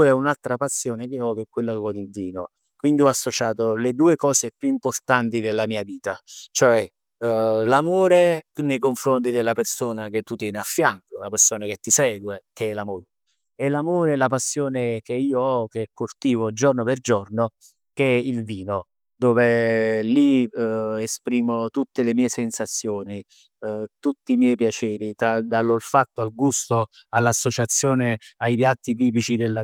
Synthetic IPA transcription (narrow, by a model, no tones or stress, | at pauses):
ɛunalt̪ɾapasːjoːnekeɔkɛkːwelːakeɔd̪ilviːno | kwind̪iɔasːot͡ʃaːt̪oled̪uːekɔːsepjuimport̪ant̪id̪elːamiːaviːt̪at͡ʃoɛ | lamoːɾeunːejkoɱfɾont̪̬id̪elːapersoːnak̟et̪ːut̪jɛːneafːjaŋkolapersoːnak̟et̪ːisɛːɡwekeɛlamoːɾ | elamoːɾeɛlapasːjoːnek̟eiːoɔk̟ekːort̪iːvod͡ʒornoperd͡ʒorno | k̟ɛilviːno | d̪oːveli | espɾiːmot̪ut̪ːelemiːesensat̪sːjoːni | t̪ut̪ːiːmjɛːjpjat͡ʃɛːɾit̪ad̪alːolfat̪ːoalɡust̪o | alːasːot͡ʃat̪sːjoːneajpjat̪ːit̪iːp̬it͡ʃid̪elːa